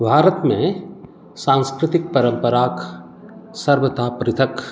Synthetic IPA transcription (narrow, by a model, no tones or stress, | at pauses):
bʱaːɾət̪mẽ | sãːnskɾɪt̪ɪk̚pəɾə̃mpəɾaːk | sɐɾʋət̪aːpɾɪt̪ʰək